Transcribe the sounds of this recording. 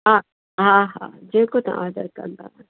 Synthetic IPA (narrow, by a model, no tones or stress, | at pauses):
ɦã | ɦãːɦã̰ːd͡ʒẽːkot̪ɐ̰̃ʔaːd̪əɾkɐ̰ɾnd̪aː